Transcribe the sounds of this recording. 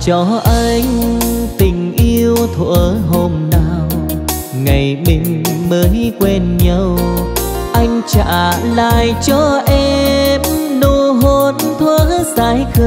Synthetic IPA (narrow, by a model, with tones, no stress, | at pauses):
t͡ɕɔ˧ʔa˧jŋ̟t̪ï˨˩ŋ̟ʔi˧əwt̪ʰwə̰˧˨ə˨ɦo˧mna˧˩w | ŋa˨˩jmï˨˧˩ŋ̟məː˨˦jkwe˧nɲə˧w | ʔa˧jŋ̟t͡ɕa̰ː˧˩˧la̰ː˧˨jt͡ɕɔ˧ʔɛ˧mno˧˩ɦo˧˦nt̪ʰwə˧˦ək̚zaː˧˦jxə˧